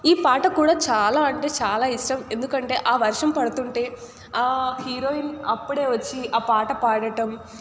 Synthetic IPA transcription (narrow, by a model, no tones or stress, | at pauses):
iːpaːʈɐkuːɽaːt͡ʃaːlaːɐɳʈe̞ːt͡ʃaːlaːiʂʈɐme̞nd̪ukɐɳʈe̞ːʔaːʋɐɾʂɐmpɐɽɐt̪uɳʈe̞ː | aːhiːɾoːinɐpːuɽe̞ːʋɐt͡ʃːiaːpaːʈɐpaːɽɐʈɐm